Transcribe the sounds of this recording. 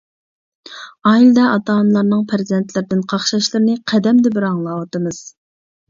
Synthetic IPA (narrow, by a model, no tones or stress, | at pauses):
ɑːild̪ɛɑt̪ɑːnlˠɑɾnɨŋpʰɾzd̪ɛnt̪ʰlɪɾɪd̪ɪnqʰɑχʃɑʃlˠɨɾɪnɨqʰɛd̪ɛmd̪ɛbɪɾɑŋlˠɑwɑt̪ɨmɨz̥